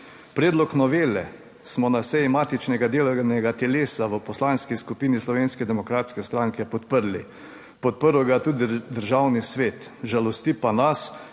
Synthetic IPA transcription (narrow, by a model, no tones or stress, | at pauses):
pɾɛːd̪lɔknɔʋeːlɛ | smɔnasɛjimaːt̪it͡ʃnɛɡad̪eːlnɛɡat̪ɛleːsaʋəpɔslaːnskiskupiːnislɔʋeːnskɛd̪ɛmɔkɾaːt̪skɛst̪ɾaːŋkɛpɔt̪pəɾlḭ | pɔt̪̚pəɾɔɡat̪uːd̪id̪əɾʒawnisʋeːt̪ʒalɔst̪ipanas